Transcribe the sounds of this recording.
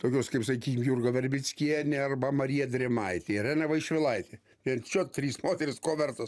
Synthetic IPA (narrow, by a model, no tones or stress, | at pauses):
t̪oːkʲoːskɐɪpsɐkʲkʲiːkʲɪmjurɡɐʋʲɛɾʲbʲɪsʲkʲiɛnʲeɐrbɐmɐɾʲiːjɛd̪ʲɾʲɛmɐɪt̪ʲeɪɾæːnʲɐʋɐɪʃʲʋʲɪlˠɐɪt̪ʲe | ʋʲiɛnt͡ʃʲoːt̪ʲɾʲiːsmoːt̪ʲɛɾʲɪskoːʋʲɛrt̪os